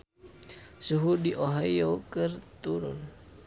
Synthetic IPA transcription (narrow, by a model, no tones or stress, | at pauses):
suɦudiʔoɦajokərt̪uɾʊ̰n